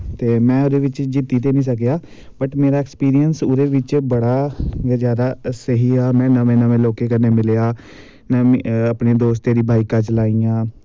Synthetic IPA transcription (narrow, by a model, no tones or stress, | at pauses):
t̪eːmɛ̃ːoːd̪eːʋɪt͡ʃd͡ʒiːt̪iːt̪eːnĩːsəkjaː | bəʈmeːɾaːɛkspiːɾijənsoːd̪eːʋɪt͡ʃbəɽaːɡəd͡ʒaːd̪aːsəɦiːaːmɛ̃ːnəmʋẽːnəʋẽːloːkeːkəneːmɪlejaː | nəəːpneːd̪oːs̬t̪eːɾiːbʱaːiːkat͡ʃlaːiːãː